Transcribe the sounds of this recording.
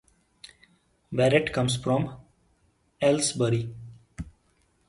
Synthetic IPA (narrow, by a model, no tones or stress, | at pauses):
ʋɛɾɪʈkʌ̃msfɾɔ̃m | ɛlsbəɾi